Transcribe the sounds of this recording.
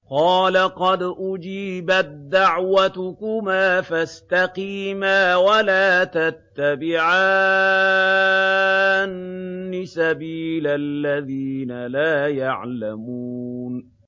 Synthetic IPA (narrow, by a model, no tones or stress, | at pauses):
qɑːlaqɑd̪ʔʊd͡ʒiːbat̪̚d̪ːaʕwat̪ʊkʊmaːfast̪aqiːmaːwalaːt̪at̪ːabɪʕaː | nːɪsabiːlalːaðiːnalaːjaʕla̰muːn